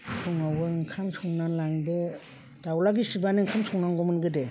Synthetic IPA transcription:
sʰuŋawɯŋkʰamsʰɔŋnalaŋde | dawlaɡisibanɯŋkʰamsɔŋnaŋɡɔmɯnɡɯde

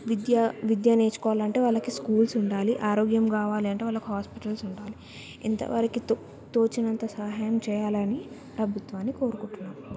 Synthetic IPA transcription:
ʋid̪jaʋid̪jane̞ːt͡ʃu̥kɔːʋaːlɐɳʈe̞ːʋɐlːɐkiskuːlsuɳɖaːliʔaːɾoːɡjɐmkaːʋaːliɐɳʈe̞ːʋɐlːɐkiɦaːspiʈɐlsuɳɖaːli | ḭnt̪ɐ̰ʋɐ̰ɾikit̪ | t̪oːt͡ʃinɐnt̪ɐsaːɦaːjɐmt͡ʃɛːjaːlɐni | pɾɐbʱut̪ʋaːnːiko̞ːɾukuɳʈunːaːm

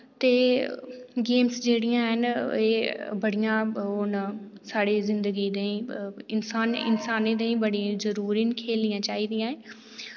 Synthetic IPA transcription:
t̪eː | ɡeːmsd͡ʒeːɽɪjãːɦəneːbəɽɪjãːon | saːɽeːzɪnd̪əɡiːd̪ẽːĩːɪnsaːnɪ̰nsaːneːd̪ẽːĩːbəɽĩzəɾuːɾiːnkʰeːlɪjãːt͡ʃaːiːd̪ɪjãːẽː

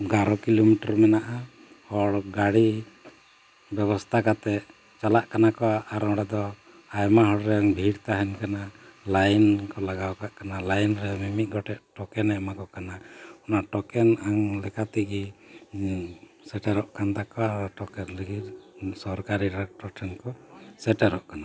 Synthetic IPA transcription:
ɡaɾɔkilomiʈɔɾmɛnaʔa | ɔɾɡaɽi | bɛβɔst̪ʰakat̪ɛʔ | t͡ʃalaʔkanakɔwaʔːɾɔɽad̪ɔ | ajmaɦɔɽɾɛaŋbʱiɽt̪aɦɛnkanalajnkɔlaɡawkaʔkanalajnɾɛmimiʔ̪̚ˀɡɔʈɛʔʈɔkɛnɛmakɔkanaɔnaʔʈɔkɛnaŋlɛkat̪iɡi | sɛʈɛɾɔʔkʰant̪akɔaɾʈɔkɛnliɡit̪sɔɾkaɾiɾɛk̚ʈɔɾʈʰɛnkɔsɛʈɛɾɔʔkana

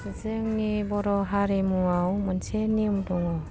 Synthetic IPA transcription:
sizeŋnibɔɾɔɦaɾimuawmansʰenimdɔŋɔ

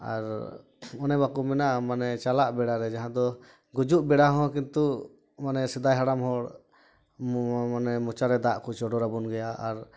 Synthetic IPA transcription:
a̰ɾ | ɔnɛbakumɛnaʔmanɛt͡ʃalaʔbɛɽaɾɛd͡ʒaɦãd̪ɔ | ɡud͡ʒuʔbɛɽaɦɔ̃kint̪u | manɛsɛd̪ajɦaɽamɦɔɽ | anɛmɔt͡ʃaɾɛd̪aʔkɔt͡ʃɔɖɔɾabɔnɡɛjaaɾ

